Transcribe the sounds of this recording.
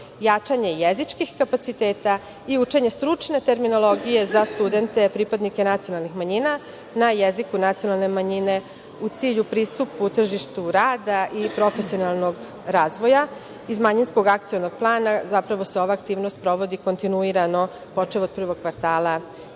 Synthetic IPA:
jat͡ʃaɲe̞jezit͡ʃkixkapat̪sit̪eːt̪a | iut͡ʃe̞ɲe̞st̪ɾut͡ʂne̞t̪e̞ɾmino̞lˠo̞ɡije̞zast̪ud̪e̞nt̪e̞pɾipad̪nike̞nat̪sijo̞nalˠnixmaɲina | najezikunat̪sijo̞nalˠne̞maɲine̞ | ut̪siːʎupɾiːst̪uput̪r̩ʒiʃt̪uɾaːd̪aʔipɾo̞fesio̞nalˠnoɡ | ɾaːzʋo̞ja | izmaɲinsko̞ɡak̚t̪sijono̞ɡ̥̚plˠaːnazapɾaʋo̞seo̞ʋaːkt̪iːʋno̞st̪̚pɾo̞ʋo̞d̪iko̞nt̪inuiɾano̞ | po̞t͡ʂeʋod̪̚pr̩ʋo̞ɡ̥̚kʋaɾt̪aːlˠa

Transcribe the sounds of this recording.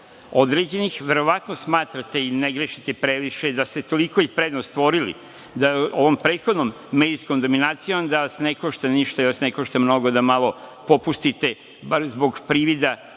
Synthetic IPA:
o̞d̪ɾed͡ʑe̞nixʋe̞ɾo̞ʋat̪nosmaːt̪ɾat̪e̞ineɡɾeʃit̪epɾeʋiʃed̪ast̪et̪o̞liko̞ipɾed̪nost̪ʋo̞ɾilḭ | d̪aoʋo̞mpɾeːt̪xod̪nomːeːd̪iskomd̪o̞minaːt̪sijomd̪aʋasnekoʃt̪aniʃt̪ajoʃnekoʃt̪amno̞ɡod̪amalˠo̞po̞pust̪it̪e̞ | baɾzbo̞ɡpɾiʋid̪a

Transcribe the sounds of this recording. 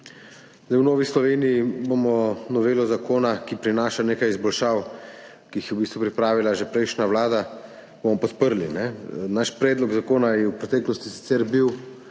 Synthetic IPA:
zd̪ajwnoːʋislɔʋeːnijibomɔnɔʋeːlɔzakoːnakipɾinaːʃaneːkajizbɔlʃaːw | kiixjɛwbiːst̪ʋupɾipɾaːʋilaʒepɾɛjʃnawlaːd̪a | b̥omɔpɔt̪pəɾlinɛnaʃpɾɛːd̪lɔɡzakoːnajɛwpɾɛt̪ɛːklɔst̪isi̥t̪sɛɾbiw

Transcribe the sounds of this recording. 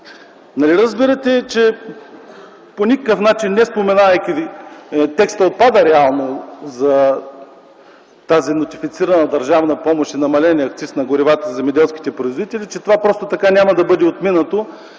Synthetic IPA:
nɐliɾɐzbiɾət̪ɛt͡ʃɛ | ponʲikəkəfnat͡ʃinːɛspomɛnavɐjkʲi | t̪ɛkst̪əot̪̚pad̪əɾɛalˠnozɐ | t̪azinot̪ʲifit̪siɾɐnəd̪ɐɾʒavnɐpɔmoʃinɐmɐlɛnʲɛɐkt̪sisnɐɡʊɾivat̪əzɛmɛd̪ɛlˠskʲi̥t̪ɛpɾoizvod̪it̪ɛlit͡ʃɛt̪ovapɾɔst̪ot̪ɐkanʲamɐd̪ɐbɤd̪ɛot̪minɐt̪o

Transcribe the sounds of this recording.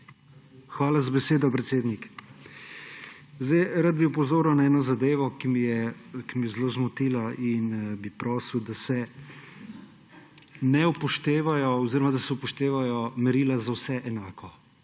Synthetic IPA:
xʋaːlazabɛseːd̪ɔpɾɛt̪seːd̪nik | zajɾad̪̚biupɔzoːɾawnaɛːnɔzad̪eːʋɔkimijɛkimijɛzloːzmɔt̪iːlainbipɾɔːsiwd̪asɛ | nɛupɔʃt̪eːʋajɔɔziɾɔmad̪asɛupɔʃt̪eːʋajɔmɛɾiːlazawsɛʔɛnaːkʰɔ

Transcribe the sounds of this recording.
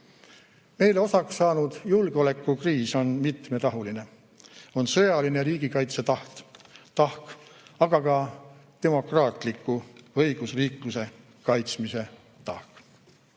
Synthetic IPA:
me̞jleo̞sɑksːɑːnud̪̥julɡeo̞le̞kːˑukriːso̞nmit̪me̞ɾɑɦuline̞ | o̞nsɤjɑline̞ɾiːɡ̥ikɑjt̪set̪ɑht̪t̪ɑhkɑɡ̥ɑkɑt̪e̞mo̞krɑːt̪ˑlikːˑuɤjɡ̥usriːkluse̞ | kɑjt̪smise̞ | t̪ɑhk

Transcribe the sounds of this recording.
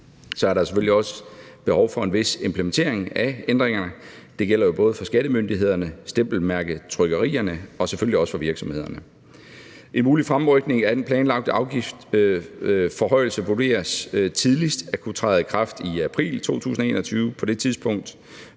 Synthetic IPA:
sɒ̽æɐɾɑse̥føl̰iɒ̽sə̥b̥e̝hɒʊfɒ̽e̝nʋe̝se̝mpʰlement͡sʰe̝̰ɐ̰e̝ŋæend̥ʁeŋɐnəd̥e̝ɡ̥el̰ɐjo̝b̥ɔ̽ːð̞̩ˠfɒ̽sɡ̥æɾəmønd̥iɦe̝ð̞̰ˠɐnəsd̥em̰b̥l̩mæɐɡ̥ðˠt͡sʰʁœɡ̥ɐʁḭːɐnəɒ̽seføl̰ːiɒ̽sə̥fɒ̽ʋiɐɡ̥sɒmhe̝ð̞̰ˠɐnə | ʔe̝nmuːlifʁamʁœɡ̥ne̝ŋæd̥enpʰlɛːnlɑ̈ɡ̥̚d̥əʔɑ̈ʊɡ̥ifd̥ | fɒ̽ɦɒ̽ɪ̰l̩səʋud̥e̝̰ːɐst͡sʰið̞ˠlisd̥ækʰut͡sʰʁɑ̈ɪð̩ˠkʰʁɑ̈fd̥iæpʰʁḭːlt͡sʰo̝̰ːt͡sʰṵːsn̩ɐe̝̰ːnɒt͡sʰyːʊpʰɒ̽d̥e̝t͡sʰiðˠsb̥ɔ̽ŋ̰d̥

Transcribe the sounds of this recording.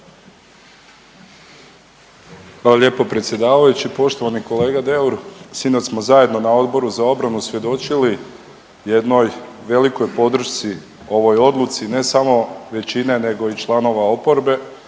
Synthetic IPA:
xʋaloʎʲje̞ːpo̞pɾe̞t̪sje̞d̪aːʋajut͡ɕipo̞ʃt̪o̞ʋaniko̞le̞ːɡad̪e̞uɾsinot͡ʃ̪smo̞zaje̞d̪no̞nao̞d̪bo̞ɾuzao̞bɾanusʋje̞d̪o̞t͡ʃili | je̞d̪no̞jʋe̞liko̞jpo̞d̪ɾ̩ʃt̪si | o̞ʋo̞jo̞d̪lˠut̪sine̞samo̞ʋe̞t͡ɕine̞ne̞ɡo̞it͡ʃlˠano̞ʋao̞po̞ɾbe̞

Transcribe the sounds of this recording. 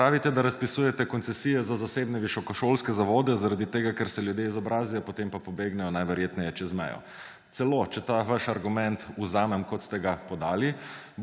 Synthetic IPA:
pɾaːʋit̪ɛd̪aɾaspisujɛt̪ɛkɔnsɛsiːjɛzazaseːbnɛʋiʃɔkɔʃolskɛzaʋoːd̪ɛzaɾad̪it̪eːɡakɛɾsɛljud̪jeizɔbɾʔaːzijɔpot̪empapobeɡnɛjɔnajʋɛɾjeːt̪nɛjɛt͡ʃɛzmɛ̰jɔ̰ | t̪sɛlot͡ʃɛt̪aːʋaʃaɾɡumɛnt̪uzaːmɛmkɔt̪st̪ɛɡapɔd̪aːli

